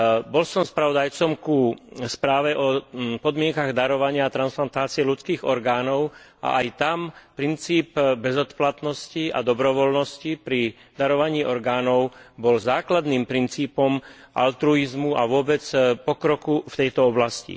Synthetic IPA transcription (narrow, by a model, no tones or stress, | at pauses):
bɔlsɔmspɾaʋɔd̪ajt͡sɔmkuspɾaːʋɛʔɔpɔd̪mɪɛŋkaɣd̪aɾɔʋaɲɪaːt̪ɾansplant̪aːt͡sɪɛlut͡skiːɣɔɾɡaːnɔʊ | ʔa̰ʔajt̪ampɾint͡siːpbɛzɔt̪plat̪nɔscia̰d̪ɔbɾɔʋɔlnɔscipɾi | d̪aɾɔʋaɲiːʔɔɾɡaːnɔʊbɔlzaːklad̪niːmpɾint͡siːpɔm | ʔa̰lt̪ɾuizmuaʋʊɔbɛt͡spɔkɾɔkuft̪ɛjt̪ɔɔblascḭ